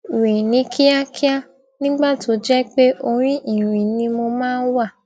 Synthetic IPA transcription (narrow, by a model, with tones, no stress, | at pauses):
wĩ˨nĩ˨˦kʰi˦a˦kʰi˦a˦˨ | nĩ˦ɡ͡ba˦˨tʰo˨˦d͡ʒɛ˦k͡pe˦ʔo˧ɾ̃ĩ˦ʔi˨ɾ̃ĩ˨nĩ˧mo˧mãː˦n̩˦wa˦˨